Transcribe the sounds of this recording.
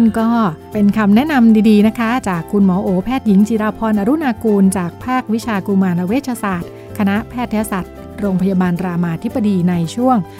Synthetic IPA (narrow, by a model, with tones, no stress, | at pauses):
nkɔː˥˩pe˧nkʰa˧mnɛ˦˥ʔna˧mdiː˧diː˧na˦˥kʰa˦˥t͡ɕaː˨˩kʰːu˧nmɔː˩˦ʔoː˩˦pʰɛː˥˩t̪̚ji˩˦ŋt͡ɕiː˧ɾaː˧pʰɔː˧nʔaː˧ɾu˦˥naː˧kuː˧nt͡ɕaː˨˩k̚pʰaː˥˩k̚wi˦˥t͡ɕʰaː˧ku˧maː˧nla˦˥weː˦˥˩t̪̚t͡ɕʰaː˧saː˨˩t̪̚ | kʰa˧na˦˥ʔpʰɛː˥˩t̪ʰːɛ˦˥wsa˨˩t̪̚ | ɾoː˧ŋpʰa˧jaː˧baː˧nɾaː˧maː˧t̪ʰi˦˥ba˧diː˧na˧jt͡ɕʰu˥˩əŋ